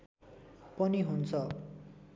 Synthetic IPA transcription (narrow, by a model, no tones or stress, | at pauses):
pʌniɦunt͡sʰʌ